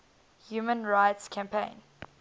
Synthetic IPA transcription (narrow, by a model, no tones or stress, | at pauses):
hjuːmə̃nɹaɪtskʰæ̃mpʰẽɪ̃n